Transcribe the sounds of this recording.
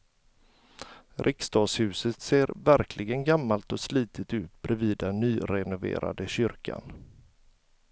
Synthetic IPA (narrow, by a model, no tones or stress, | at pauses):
ɾʔɪkst̪ɑːd̪shʉ̟ːsət̪seːɾvæɾkʰlɪɡənɡamːalt̪ɔsliːt̪ʰət̪ʉ̟ːt̪̚bɾɛviːd̪anːyːɾɛnʊvḛːɾa̰d̪əɕʏɾkʰa̰n